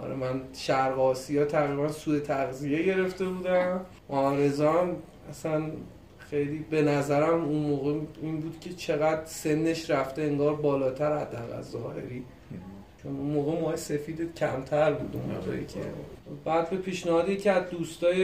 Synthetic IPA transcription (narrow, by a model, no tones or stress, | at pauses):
ʔɒ̰ɾḛmænʃæɾɣɒːsijɒːt̪ʰæɣɾibænsuːe̞t̪ʰæɣzije̞ɟe̞ɾe̞ft̪e̞buːd̪æm | mɒːɾe̞zɒn | æsæn | xe̞jliːbe̞næzæɾæmunmoːɣeiːnbuːd̪̥cʲʰe̞t͡ʃʰe̞ɣæd̪̥se̞nːe̞ʃɾæft̪e̞eŋɡɒːɾbɒːlɒːt̪ʰæɾhæd̪ːæɣæ̰lzɒːhe̞̰ɾiː | t͡ʃʰonunmoːɣemɒːese̞fiːd̪ecʰæmt̪ʰæɾbṵːd̪ṵnmo̰ːɣḛcʰḛbæːd̪̚be̞pʰiːʃnehɒːd̪icʰeæzd̪ust̪ɒːje